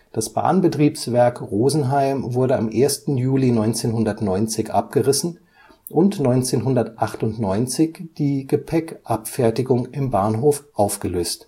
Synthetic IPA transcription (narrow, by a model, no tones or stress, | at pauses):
d̥asb̥a̰ːnbətʁ̥iːpsv̥ɛɐkʁoːzn̩ɦaɪmvʊɐɾəamʔeːɐstn̩juːlinɔʏnt͡seːnhʊndɐtnɔʏnt͡sɪçʔap̚ɡ̥əʁɪsn̩ | ʔʊntnɔʏnt͡seːnɦʊndɐtʔaχtʊntnɔʏnt͡sɪçd̥iːɡəpʰɛkʔapfɛɐtɪɡʊŋʔɪmbaːnɦoːfʔaʊfɡ̥əløːst